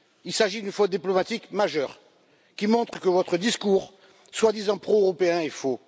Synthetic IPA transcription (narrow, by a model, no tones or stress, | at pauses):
ilsaʒid̪ynfot̪̚d̪iplɔmat̪ikmaʒœʁ | kʲimɔ̃t̪χəkəvɔt̪χəd̪iskuʁ | swad̪izɑ̃pχoøʁɔpeɛ̃efo